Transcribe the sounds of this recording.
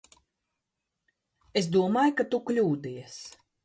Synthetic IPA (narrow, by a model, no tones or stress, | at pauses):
es̬d̪uɔmaːjkat̪uklʲuːd̪ijɛs